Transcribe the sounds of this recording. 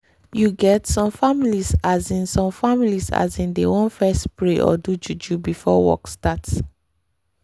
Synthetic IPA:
juɡɛtsɔ̃mfamilisazĩnsɔ̃mfamilisa̰zĩndewɔ̃nfɛstpɹeʔɔ̰dud͡ʒud͡ʒubifɔwɔ̰kstats

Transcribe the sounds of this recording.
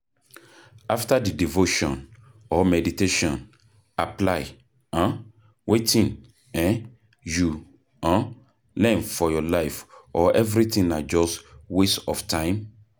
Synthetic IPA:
aftadidivoʃɔ̃n | ɔmɛditeʃɔ̃n | aplaɪ | ãn | wetʰĩn | ɛ̃n | ju | ãn | lɛ̃nfɔjɔlaɪfɔɛvɹiθĩŋnad͡ʒɔswesɔftʰãɪ̃m

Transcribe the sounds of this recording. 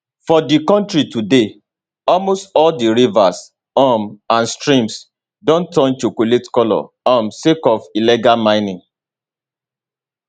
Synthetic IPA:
fɔdikɔ̃ntɹitude | ɔlmostɔldiɹivas | ɔmãnstɹĩms | dɔ̃ntɔ̃nt͡ʃokoletkɔlɔ̰ | ɔmsekɔfilɛɡalmãɪ̃nĩŋ

